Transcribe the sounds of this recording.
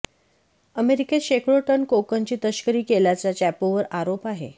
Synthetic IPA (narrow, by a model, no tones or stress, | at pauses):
əmeɾikeɕekʰɭoʈənkokəɲt͡ɕiːt̪əɕkəɾiːkeljat͡sat͡ɕæpoʋəɾaɾopaɦḛ